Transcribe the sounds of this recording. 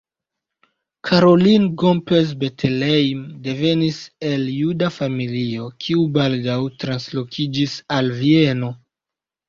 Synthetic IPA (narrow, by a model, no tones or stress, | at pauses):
kʰaɾo̞linɡompe̞s̬be̞tʰelejmde̞ve̞nise̞ljudafamilio̞kʰiubaldawtɾanslo̞kʰid͡ʒisalvie̞no̞